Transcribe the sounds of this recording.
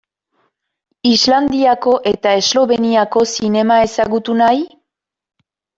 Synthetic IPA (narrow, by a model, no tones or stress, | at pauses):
izland̪iako̞ʔe̞t̪ae̞zlo̞βe̞niako̞sine̞mae̞saɣut̪unaj